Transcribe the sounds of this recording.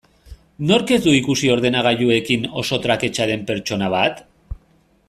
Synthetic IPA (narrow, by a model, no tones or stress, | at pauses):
no̞ɾke̞zd̪uikusio̞ɾð̞e̞naɣ̞aʎue̞kino̞̰so̞t̪ɾake̞t͡ʃaɾe̞mpe̞ɾt͡ʃo̞naβ̞at̪